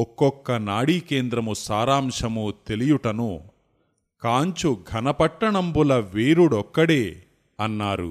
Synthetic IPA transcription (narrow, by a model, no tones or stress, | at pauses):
ɔkːɔkːɐnaːɽiːke̞ːnd̪ɾɐmusaːɾaːmʂɐmut̪e̞lijuʈɐnu | kaːɲt͡ʃuɡʱɐnɐpɐʈːɐɳɐmbulɐʋeːɾuɽɔkːɐɽeː | ɐnːaːɾṵ